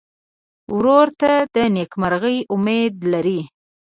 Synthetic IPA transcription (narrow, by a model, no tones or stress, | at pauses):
wɾoɾt̪ad̪ənekmaɾɣəjʊmed̪laɾi